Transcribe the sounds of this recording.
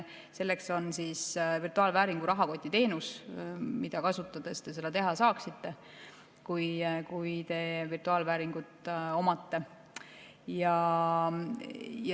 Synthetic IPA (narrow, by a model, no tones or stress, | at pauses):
se̞lːe̞kso̞nsiːsvirt̪uɑːlvæːɾiŋɡ̥uɾɑɦɑko̞t̪ʲːit̪e̞ːnusmid̪̥ɑkɑsut̪ːˑɑd̪̥est̪e̞s̬e̞d̪̥ɑt̪e̞ɦɑsɑːksit̪ːe̞ | kujkujt̪e̞virt̪uɑːlvæːɾiŋɡ̥ut̪ːˑo̞mɑt̪ːe̞ | jɑ | j